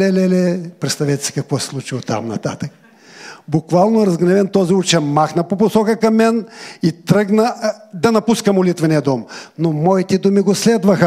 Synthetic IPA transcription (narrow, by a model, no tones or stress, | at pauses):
lɛlɛlɛpɾɛt̪st̪ɐvɛt̪ɛ̥si̥kɐkvɔsɛ̥slˠut͡ʃilˠot̪a̰mnɐt̪a̰t̪ək | bʊkvalˠnoɛɾɐzɡnɛvɛnt̪ɔziut͡ʃɛmaxnɐpopʊsɔkəkɐmːɛnit̪ɾɤɡnəd̪ɐnɐpuskɐmʊlit̪vɛniɐd̪ɔmnomɔit̪ɛd̪umiɡoslɛd̪vɐxə